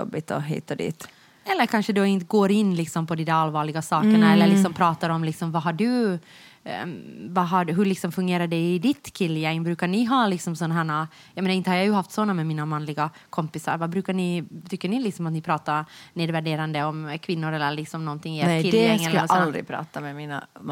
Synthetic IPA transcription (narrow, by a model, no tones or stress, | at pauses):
ɔ̰bːɪt̪ɔɦḭːt̪ːad̪ḭːt̪ | ɛlːəɾkʰanʂəd̪oɪnt̪ɡoːɾɪnːlɪksɔmpʰɔd̪inaɾalvɑːɭɪɡasɑːkəɳaɛlːəɭɪksɔmpʰɾɑːt̪aɾɔmlɪksɔmvaɦaɖɵ | vaɦaɖɦɵɭlɪksɔmfɵŋɡeːɾaɖɛɪd̪ɪt̪kʰɪlːjɛŋːbɾʉ̟ːkaɳɪɦɑːlɪksɔmsɔnːaɦæːɳa | jɑmeːnaɪnt̪əhaɾjajɵɦaft̪sɔnːamɛmiːnamanlɪɡa | kʰɔmpɪsa̰ɾvabɾʉːkaɳɪt̪ʰʏkːəɳɪlɪksɔmat̪nɪpʰɾɑːt̪aɾneːd̪væɖeːɾand̪əɔmkʰvɪnːʊɾɛlːəɾɭɪksɔmnɔnt̪ʰɪŋːɪeɾkʰɪlɛŋːɛlːəɔsald̪ɾɪ̰pʰɾɑ̰ːt̪amɛmiːn̰